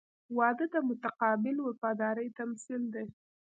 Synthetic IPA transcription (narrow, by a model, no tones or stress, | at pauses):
wɑd̪əd̪əmʊt̪aqɑbɪlwafɑd̪ɑɾəjt̪amsild̪aj